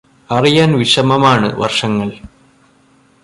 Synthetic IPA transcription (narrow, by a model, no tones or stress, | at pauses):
ɐrijaːnʋiʂɐmɐmaːɳɨ̰ʋɐ̰rʂɐŋːɐɭ